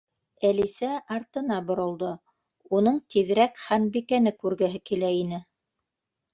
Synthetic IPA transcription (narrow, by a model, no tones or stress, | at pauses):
ælisæʔɑɾt̪ɤ̆nɑbŏɾɤ̆lˠd̪ɤ | unɤɴt̪iðɾækχænbikænɘkʉɾɡæɦɘkilæinɘ